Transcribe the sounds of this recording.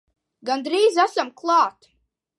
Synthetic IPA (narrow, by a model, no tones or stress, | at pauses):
ɡand̪ɾiːzasamklˠɑːt̪